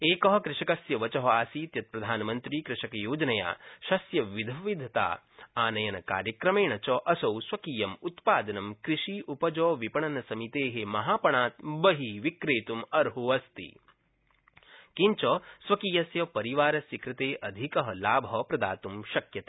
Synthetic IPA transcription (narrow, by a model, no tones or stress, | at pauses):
eːkɐɦɐkɾɪʂɐkɐsjɐʋɐt͡ʃɐɦɐaːsiːt̪jɐt̪̚pɾɐd̪ʱaːnɐmɐnt̪ɾiːkɾɪʃɐkɐjoːd͡ʒɐnɐja̰ːʃɐsjɐʋid̪ʱɐʋid̪ʱɐt̪a̰ː | aːnɐjɐnɐka̰ːɾjɐkɾɐmeːɳɐt͡ʃɔʔɐsɐwsʋɐkiːjɐmut̪paːd̪ɐnɐmkɾiʃiʔupɐd͡ʒɔːʋipɐɳɐnɐsɐmit̪eːɦemɐɦaːpɐɳaːt̪̚bɐɦiʋikɾeːt̪umɐɾɦuɐst̪ḭ | kiɲt͡ʃɐsʋɐkiːjɐsjɐpɐɾiʋaːɾɐsikɾɪt̪eːʔɐd̪ʱikɐɦɐlaːbʱɐpɾɐd̪a̰ːt̪umʃɐkjɐt̪ḁ